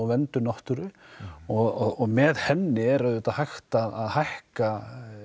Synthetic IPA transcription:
wvɛnt̪ʏnɔht̪ʏɾʏɔɣɔɔɣmɛðhɛnːɪɛɾaðʏt̪aðhajxt̪aðaðhajhka

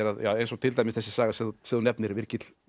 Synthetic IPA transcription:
ɛɾaðjawejnsɔɣt̪ʰɪlt̪ajmɪsθɛsːɪsaːɣasɪðsɪðunɛpnɪɾvɪɾcɪt̪l̥

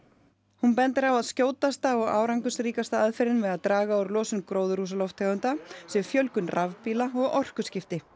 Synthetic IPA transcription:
hunpɛnt̪ɪɾawaðscoːwt̪ast̪aɔɣa̰ːwɾaŋkʏsɾiːkast̪aaðfɛɾɪnvɛðaðt̪ɾaːɣaawɾlɔːsʏnkɾoːwðʏɾuːs̬alɔwft̪ʰɛɣʏnt̪asjɛfjœlkʏnrʔavpiːlaɔɣɔr̥kʏscɪft̪ɪ

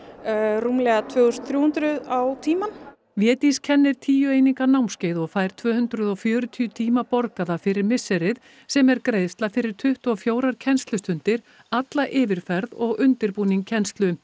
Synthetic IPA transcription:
ruːmlɛɣat̪ʰvœːɣʏst̪θɾjuːhʏnt̪ɾʏðawt̪ʰiːman | vjɛːt̪iscʰɛnːɪɾ̥t̪ʰiːjʏeːjniŋkanawmscejðɔɣfaːjɾ̥t̪ʰvœːhʏnt̪ɾʏðɔfjœːɾʏt̪ʰiʏt̪ʰiːmapɔɾkaðafɪɾɪɾmɪsːɛɾɪð | sɛmɛɾkɾejðst̪lafɪɾɪɾ̥t̪ʰʏht̪ɔɣfjoːwɾaɾ̥cʰɛnst̪lʏst̪ʏnt̪ɪɾ | at̪laʔɪːvɪɾ̥fɛɾðɔɣʏnt̪ɪɾpuːniŋkʰcʰːɛnst̪lʏ

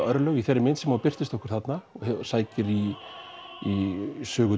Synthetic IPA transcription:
œɾlœɣiθɛɾːɪmɪnt̪sɛmaːwpɪr̥t̪ɪst̪ɔhkʏɾ̥θat̪naɔhsaːjcɪɾiː | sœːɣʏ

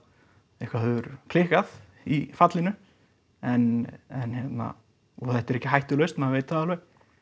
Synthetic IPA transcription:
ɛhkvahœvʏɾ̥pʰlɪːhkað | ifat̪lɪnʏ | ɛnɛnçjɛt̪na̰ | ɔθɛht̪ɛɾɛhcːɪɦajht̪ʏlœɥst̪mɛðavejt̪ɪ̥θaðalœj

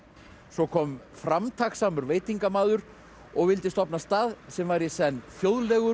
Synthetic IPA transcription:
sɔkʰɔːm | fɾamt̪ʰaxsaːmʏɾveːjt̪iŋkamaːðʏɾ | ɔɣvɪlt̪ɪst̪ɔpnast̪aːðsɛmvaːjɾɪsɛnːfjoːwðlɛɣʏ

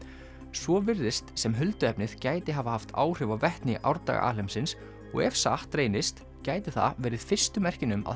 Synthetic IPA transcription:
svɔvɪɾðɪst̪sɛmɦʏlt̪ʏɛpnɪðcaːjt̪ɪɦavahaft̪ʰa̰ːwr̥ɪvavɛht̪nɪʔa̰wɾt̪a̰ɣa̰a̰ːlɛmsɪns | ɔ̰ɣɛfsaht̪ɾeːjnɪst̪ | caːjt̪ɪθa̰vɛːɾɪðfɪ̥st̪ʏmɛr̥cɪnʏma̰

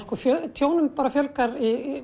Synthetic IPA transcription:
skɔfjœt̪ʰjoːwnʏmpaːɾafjœlkaɾi

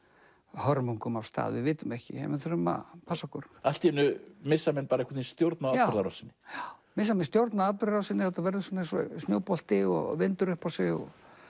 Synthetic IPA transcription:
hœɾmuŋkʏmawst̪a̰ːðvɪðvɪːt̪ʏmɛhcɪ̰hɛ̰mɪθʏɾʏma̰pʰasakʏɾ̥al̥t̪iɛnːʏmɪsːamɛnpaːɾaɛkɾt̪inst̪jowɾt̪naaaɾðaɾawsɪnːɪmɪsːamɛnst̪jowɾt̪naat̪ʏɾaɾawsɪnːɪhat̪avɛɾðʏsɔnːansɔsnjo̰wpɔl̥t̪ɪɔ̰vɪnt̪ʏɾʏhpawsɛɔ̰

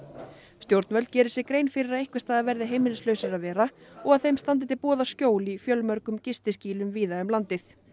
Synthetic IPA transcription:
st̪jowɾt̪nvœlcɛːɾɪsɛkɾeːjnfɪɾɪɾaðehkvɪst̪aːðaðvɛɾðɪɦejmɪlslœɥsɪɾaðvɛːɾaɔɣaðθejmst̪ant̪̬ɪt̪ɪpɔːðascoːwlifjœlmœɾkʏmcɪst̪ɪsciːlʏmviːðaʏmlant̪ɪθ

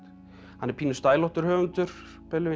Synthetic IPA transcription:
hanːɛɾpʰiːnʏst̪aːjlɔht̪ʏɾhœːvʏnt̪ʏɾ̥ | pʰɛlʏvɪ

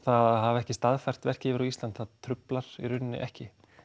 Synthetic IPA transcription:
θaðɦavɛhcɪst̪aðfajr̥t̪vɛr̥cɪvɪɾɔist̪lant̪θaðt̪ʰɾʏplaɾ̥iɾʏnːɪ̰ʔɛhcɪ

